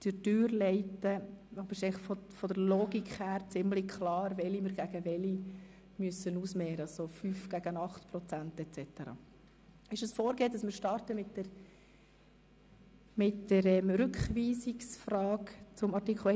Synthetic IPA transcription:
d̥ɪtøːɾlɛɪtəɔbɾɪʃɛɪlɪχfɔfɔd̥əɾloːɡikχhæːɾt͡sɪmlɪkʰlɑːɾvɛlimɪɾɡæɡəʋɛli | myəsənuːsmɛːɾəɑsofyːfɡ̥æɡənɑχt̪pɾɔt͡sæntɛt͡sɛt̪əɾɑ̰ː | ɪʃəsfoːɾɡeːdɑsmɪːɾʃtɑrtəmɪtə | mɪtːəɾɛmɾʏkχʋiːsiksfrɑːkt͡sʊmɑrtikʰl̩

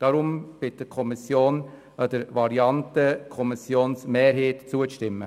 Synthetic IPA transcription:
d̥ɑɾʊmb̥ɪt̚d̥əkʰɔmɪsjoːn | ədəɾvɑɾiɑntəkʰɔmɪsjoːnsmeːɾɦeːtt͡suəʃtɪmːə̰

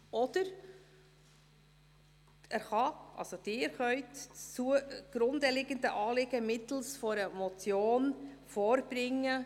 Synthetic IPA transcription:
ʔɔd̥əɾ | æɾχɑʔɑ̰lsod̥ɪːɾχœʏtt͡suəɡ̥ɾʊndəlɪɡəndəʔɑːlɪɡ̥əmɪt̪l̩sfɔɾəmɔt͡sjoːnfoːɾb̥ɾɪŋə

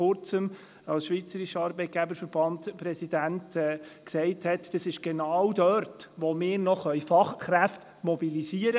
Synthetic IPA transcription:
ʊɾt͡səm | ɑlsʃʋit͡səɾiʃəɑːɾbɛɪt̚ɡ̥æbəɾfəɾb̥ɑntpɾɛsid̪æntɛːksɛɪthɛtd̥ɑsɪʃɡ̥enɑwdœɾtʋomɪːɾnɔχœjfɑχχɾæft | mɔbiliziəɾə

